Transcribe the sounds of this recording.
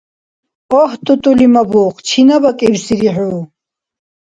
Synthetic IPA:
ɔht̪ʼut̪ʼulimabuːχt͡ʃʰinabakʼiɾsiɾiħuː

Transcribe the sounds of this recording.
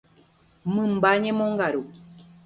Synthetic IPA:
mɨ̃mbaɲẽmõŋɡaɾu

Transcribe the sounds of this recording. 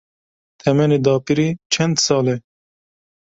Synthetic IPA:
t̪ʰɛmɛnid̪ɑːpiɾit͡ʃʰɐnd̪sɑːle

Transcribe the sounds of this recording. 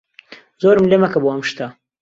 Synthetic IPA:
zoːɾmlemɐkɐboɐmʃt̪a

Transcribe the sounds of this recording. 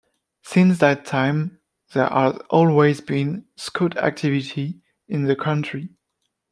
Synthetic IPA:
sɪ̃nsðætʰãɪ̃m | ðɛ˞ʔəzʔɔlˠwezbĩnskʰuɾæ̰k̚tʰɪvɪtʰi | ɪ̃nðɨkʰʌ̃nt͡ʃɹ̥i

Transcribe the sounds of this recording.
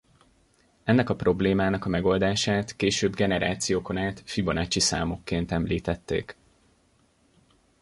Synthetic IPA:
ɛnːɛkɒpro̞bleːmaːnɒkɒmɛɡo̞ld̪aːʃaːt̪keːʃøːbɡɛnɛɾa̰ːt̪sijoːko̞naːt̪fibo̞nat͡ʃisa̰ːmo̞kːeːnt̪ɛmlḭːt̪ɛt̪ːḛːk

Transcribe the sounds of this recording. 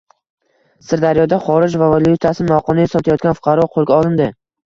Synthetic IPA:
sɪɾd̪aɾjɒd̪aχɒɾɪd͡ʒvavolˠjʊt̪ʰasɪnmawqʰɒnɪjsɒt̪ʰajɒt̪kʲanfʊ̥qʰɑɾɒqʰolˠɡʲaɒlˠɪmd̪ɪ

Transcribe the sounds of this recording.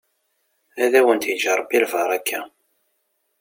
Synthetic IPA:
æðæwənt̪jd͡ʒɑɾˤbilvɑɾˤækːæ

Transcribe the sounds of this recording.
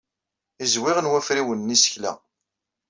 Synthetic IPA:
izwɪʁənwæfɾiwənːisə̥çlæ̰

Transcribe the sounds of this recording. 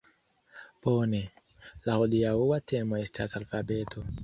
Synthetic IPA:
b̥one̞ | lahodiauwate̞mo̞e̞stʰasalfabe̞tʰo̞

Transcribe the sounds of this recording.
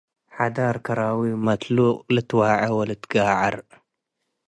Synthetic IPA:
ħad̪aɾkʰɐɾawimɐt̪luqʼlɨt̪waʕɐwɐlɨt̪ɡaʕɐɾ

